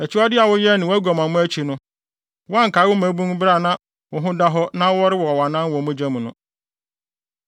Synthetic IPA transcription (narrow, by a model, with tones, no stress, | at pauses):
ɛ˨t͡ɕʰɪ˦a˦dɪ˦a˨wʊ˦jɛ˦nɪ̃˨wæ˦ɡɔ˨mã˨mʊ̃˦æ˦t͡ɕʰi˨nʊ̃˦ | wã˦ŋ̩˨kaː˨˦wʊ˦mæ̃˨˦bũ˦ŋ˦bɾa˦˨nã˦ | wʊ˨ɦʊ̃˦da˦ɦɔ˦nã˦wɔ˦ɾɪ˦wɔ˨ɔ˨wa˨nã˦wɔ̃˨˦mũ˦d͡ʑã˦mũ˨nʊ̃˦